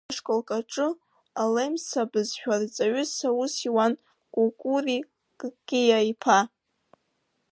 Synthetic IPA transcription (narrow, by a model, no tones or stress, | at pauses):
ʂkʼolkʼaʈ͡ʂʼɨ | alejmsabɨzħᶣart͡sʼaɥʊsausiwan | kʼulkʼuri | kʼkʲʼijaipʰa